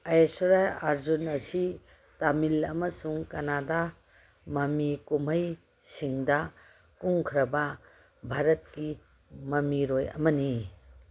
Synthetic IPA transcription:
ɐjesɾajaɾzunɐsi | tamilɐmɐsuŋkɐnada | mɐmikumɐj | siŋdɐ | kuŋkʰɾɐbɐ | bʱaɾɐt̚ki | mɐmiɾojɐ̰mɐni

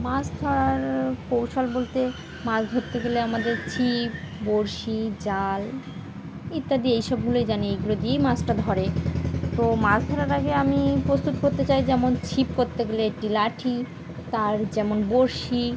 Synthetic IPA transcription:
masd̪ʱɔɾaɾpowʃalbolt̪e | masd̪ʱoɾt̪ːeɡeleamad̪eɾt͡ɕʰip̚ | boɾʃid͡ʑal | it̪ːad̪iejʃɔbɡulejd͡ʑaniejɡulod̪iejmasʈad̪ʱɔɾet̪omasd̪ʱɔɾaɾaɡeamipɾost̪ut̪koɾt̪et͡ɕajd͡ʑɛmont͡ɕʰipkoɾt̪eɡeleek̚ʈilaʈʰi | t̪aɾd͡ʑɛmonboɾʃi

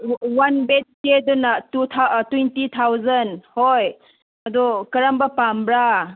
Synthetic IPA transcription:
wanbet̚kedɔnɐtut̪ʰatwentit̪ʰawzɐnhoj | ɐdɔkɐɾambapambɾa

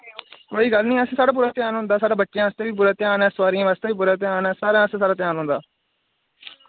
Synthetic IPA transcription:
koːiːɡəlnĩːəsẽːsaːɽaːp̬ʊɾaːt̪ɪjaːnɦʊ̃nd̪aːsaːɽaːbəʈːʃejãːəst̪eːʋiːpʊɾaːt̪ɪaːnɛ̃ːsʋaːɾijãːʋaːst̪eːʋiːbʊɾaːt̪ɪaːnɛ̃ːsaːɾãːəsẽːsaːɽaːt̪ɪjaːnɦʊ̃nd̪aː

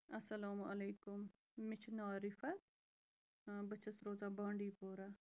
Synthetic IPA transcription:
ɐsɐlaːmʔɐleːkʊmː | ɪt͡ʃʰnaːɾɪfɐt̪̚ | bɐt͡ʃʰɐsɾoːzãːbãːɳɖiːpoːɾaː

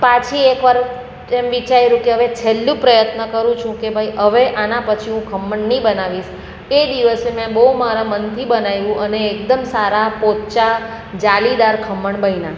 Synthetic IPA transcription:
pãt͡ʃʰiekʋaɾ | emʋit͡ʃajɾũkeɦəʋet͡ʃʰelːũpɾəjət̪nəkəɾũt͡ʃʰũkebʱajiɦəʋeʔanapət͡ʃʰiɦũkʰəmːəɳnibənaʋiʃ | ed̪iʋəsemɛ̃bəumaɾamənt̪ʰibənajʋũʔəneːk̚d̪əmsaɾapot̪t͡ʃa | d͡ʒalid̪aɾkʰəmːəɳbʱəina

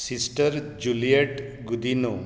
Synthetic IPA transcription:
sisʈəɾ | d͡ʒulieʈ | ɡud̪ino

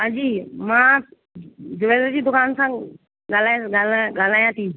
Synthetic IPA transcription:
ɦãd͡ʑiːmã | d͡ʑʊʋeːləd͡ʑiːd̪ʊkaːnsã | ɡaːl̤aːɡalɠaːl̤aːjãt̪ʰiː

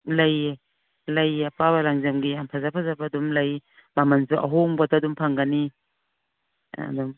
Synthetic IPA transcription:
laje | lajapaβalaŋzamɡiampʰazapʰazabadumlaj | bamansuʔa̰ɦoŋbatadumpʰaŋɡani | a̰dum

